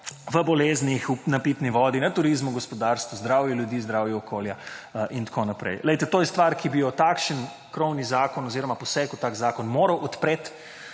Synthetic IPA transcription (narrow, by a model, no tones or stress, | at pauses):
ʋəbɔleːznixunapiːt̪niʋɔːd̪inat̪uɾizmuɡɔspɔd̪aːɾst̪ʋuzd̪ɾaːwjɛljud̪iːzd̪ɾaːwjɛɔkʰoːljaʔint̪kʰonapɾɛ̰jlɛjt̪ɛt̪oːjɛst̪ʋaːɾkibijɔt̪aːkʃən | kɾɔwnizaːkɔnɔziːɾɔmapɔsɛkut̪aːkzaːkɔnmoːɾɐwʔɔt̪pɾeːt̪